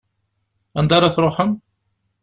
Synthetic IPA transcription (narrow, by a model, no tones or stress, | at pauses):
ænd̪ɑɾˤɑθɾˤoħən